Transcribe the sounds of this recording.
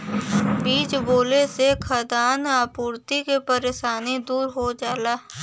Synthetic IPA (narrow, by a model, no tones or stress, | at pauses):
biːd͡ʒboːlesekʰəd̪aːnaːpuːɾt̪ikepəɾeːʃaːnid̪uːɾɦod͡ʒaːlaː